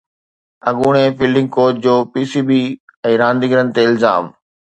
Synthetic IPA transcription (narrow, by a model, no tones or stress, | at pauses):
ɐɠuːɽ̃efiːlɖɪ̃ŋɡ̚koːʈ̚d͡ʑoːpiːsiːbiːɛ̃ːɾãːnd̪ɪɡɾən̆t̪eɪlza̰ːm